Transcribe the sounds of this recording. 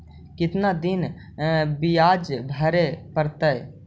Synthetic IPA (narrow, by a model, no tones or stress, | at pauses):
kɪt̪nad̪in | bijad͡ʒbʱəɾepəɾt̪əj